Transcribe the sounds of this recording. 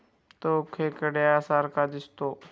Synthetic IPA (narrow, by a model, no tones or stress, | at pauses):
t̪oʊkʰeːkəɽejaːsaːɾkaːd͡ʒɪst̪oː